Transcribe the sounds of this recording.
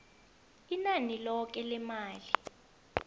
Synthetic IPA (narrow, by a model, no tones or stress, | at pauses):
inanilɔk̬ɛlɛmaːli